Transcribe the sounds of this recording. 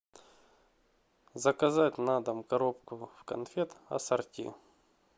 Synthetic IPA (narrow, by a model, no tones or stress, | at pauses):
zɐkɐzatʲnad̪ɐmkɐɾop̚kʊfkɐ̰nfʲet̪ɐ̰sɐrtʲḭ